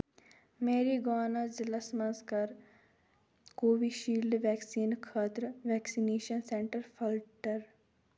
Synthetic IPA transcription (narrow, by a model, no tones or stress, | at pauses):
meːɾiɡaːnad͡ʒɪlɐsmɐ̃nskɐɾ | koːʋiʃiːlɖ̪ʋɛːksiːnkʰaːt̪ɾʋɛːksineːʃənsẽɳʈəɾpʰəlʈəɾ